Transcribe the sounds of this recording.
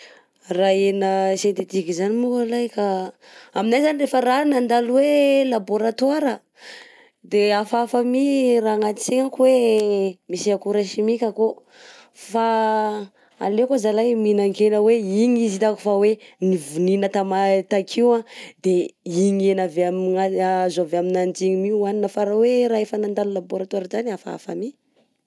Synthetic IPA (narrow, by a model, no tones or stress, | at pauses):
raenəsent̪et̪ikizanimukalajka | aminajzanirefəranand̪alwelaboɾat̪waɾə | d̪eafafəmiraŋat̪i̥t͡seɲakuwe | misiakuɾaʃimikʲako | fa | a̰lekozalajminaŋkenəweiɲizit̪aku̥fawenivuninət̪amat̪akʰiwãd̪eiɲenaveamazoaveaminand͡ʒiɲimiuaninəfaɾaweɾaefənand̪alulaboɾat̪waɾəzaniafaa̰fa̰mi